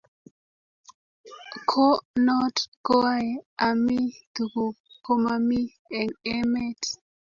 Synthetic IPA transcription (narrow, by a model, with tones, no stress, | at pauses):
kʰo˦nɔ˦tɡ̥o˦aja˨mi˦t̪u˨ku˨kʰo˦ma˨mi˦ | ɛ˨ne˦me˦t